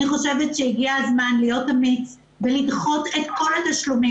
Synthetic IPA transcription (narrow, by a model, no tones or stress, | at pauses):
iχo̞ʃevetʃejiɡiazmanlijo̞tamit͡s | belidχo̞tetko̞lataʃlumi